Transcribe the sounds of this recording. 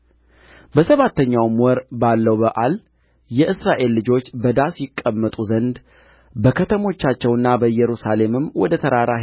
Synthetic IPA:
bəsəβat̪ːəɲːawmwɔɾbalːəwbəʔal | jɛʔɨsɾaʔe̞lːɨd͡ʒo̞t͡ʃːbəd̪asjɪkʼːəmːət̪ʼuzənd̪ | bəkʰət̪ʰəmo̞t͡ʃːat͡ʃːɛwɨnːabəjɛɾusale̞mɨmwɔd̪ət̪ʰəɾaɾa

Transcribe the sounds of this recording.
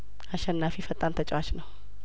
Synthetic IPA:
aʃɛnːafifət̪ʼant̪ʰət͡ʃʼwat͡ʃnəw

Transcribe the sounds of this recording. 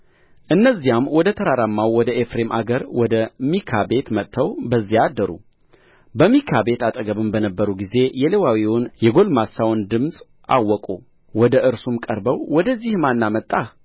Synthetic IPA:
ʔɨnːəzːijamwɔd̪ət̪ʰəɾaɾamːawwɔd̪əʔefɾe̞mʔa̰ɡəɾwɔd̪əmikʰabe̞t̪mət̪ʰːəwbəzːijad̪ːəɾṵ | bəmikʰabe̞t̪at̪ʼəɡəβɨmbənəbːəɾuɡize̞jɛlewawiwʊnjɛɡo̞lmasawnd̪ɨmsʼ | ʔa̰wːɔkʼu | wɔd̪əʔɨɾsumkʼəɾbəwwɔd̪əzːihmanːamət̪ʼːa

